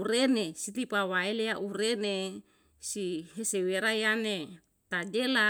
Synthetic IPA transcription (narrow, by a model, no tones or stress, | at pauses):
uɾenesit̪ipawaelejaʔuɾene | siɦeseweɾajane | t̪ad͡ʒela